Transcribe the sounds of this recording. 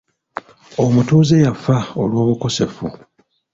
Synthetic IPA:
o̞mutuːze̞jafao̞lwo̞ːβuko̞se̞fu

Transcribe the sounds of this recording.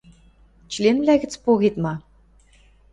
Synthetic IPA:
t͡ɕ̆lʲenβlʲæɣɘ̆t͡spoɣet̪mɑ

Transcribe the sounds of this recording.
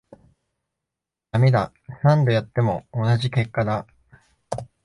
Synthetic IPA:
j̪amʲed̪a | sãnd̪ojat̪ːe̞mo̞ːnaʑike̞kːad̪a

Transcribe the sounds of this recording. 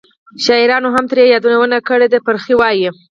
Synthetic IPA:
ʃɑiɾɑnoɦamt̪əɾjejɑd̪unawənakəɽed̪apəɾxiwɑji

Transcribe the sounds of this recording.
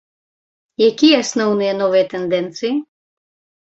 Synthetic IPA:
jakʲijɛɐsnɔwnɨjɛnɔvɨjɛt̪ɛnd̪ɛnt̪sɨji

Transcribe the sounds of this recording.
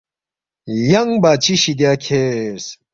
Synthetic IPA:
jɐŋbaːt͡ɕʰiɕid̪jaːkʰes

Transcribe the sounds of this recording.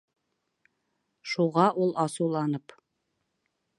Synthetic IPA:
ʃuʁɑʔulˠʔɑsuwlˠɑnɤp

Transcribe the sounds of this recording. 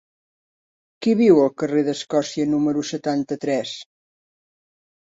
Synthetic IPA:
kiβiwəlˠkəreðəskɔsiənuməɾusət̪ant̪ət̪ɾɛs

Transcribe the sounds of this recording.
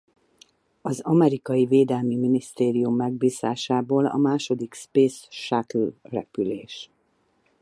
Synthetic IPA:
ɒzɒmɛɾikɒjiveːd̪ɛlmiminist̪eːɾijumːɛɡ̚biːzaːʃaːboːlɒ̰maːʃo̞d̪ikspeːsʃaklrɛpyleːʃ

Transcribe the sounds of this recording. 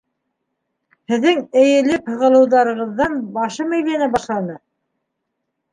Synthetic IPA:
hɘ̆ðːɘŋɘ̆jɘ̆lɘphɤ̆ʁɤ̆lˠɤ̆wðɑɾɤ̆ʁɤ̆ðːɑnbɑʃɤmæ̆jlænæbɑʃlˠɑnɤ

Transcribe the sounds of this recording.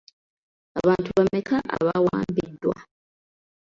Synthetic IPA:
aβaːntuβamːekʰaʔa̰βawa̰ːmbidwa̰

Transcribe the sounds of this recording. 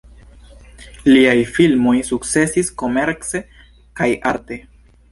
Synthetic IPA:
liajfilmo̞jsuk̚t͡se̞sisko̞me̞ɾt͡se̞ | kajaɾte̞

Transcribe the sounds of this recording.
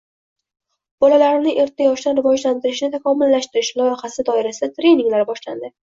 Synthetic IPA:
b̥ɒlalaɾɪnɪʔe̞ɾt̪ʰːajɒʃd̪anɾɪvɒd͡ʒlant̪ɪɾɪʃnɪt̪ʰakʰɒmɪlːaʃt̪ɪɾɪʃlˠɒjɪχasɪd̪ɒɪɾasɪd̪at̪ɾe̞niŋlaɾbɒʃla̰nd̪ɪ

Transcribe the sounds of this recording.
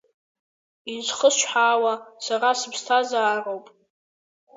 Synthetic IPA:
int͡ʃʷʰχəsʃʷħaːwasarasɨbstʰazaːrowpʼ

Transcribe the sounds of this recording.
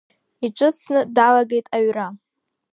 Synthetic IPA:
iʈ͡ʂʷʼʊt͡sʰnɨdalaɡe̞jtʼaɥra

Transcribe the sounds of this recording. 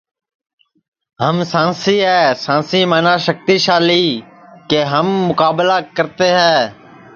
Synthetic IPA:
ɦəmsãːnsiːɦɛːsãːsiːmãːnaːʃək̚t̪iːʃaːliː | keːɦəmːʊkaːblaːkəɾt̪eːɦɛ̃ː

